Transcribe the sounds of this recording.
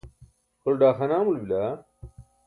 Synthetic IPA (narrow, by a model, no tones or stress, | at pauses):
kolɖaːxɐnaːmulbila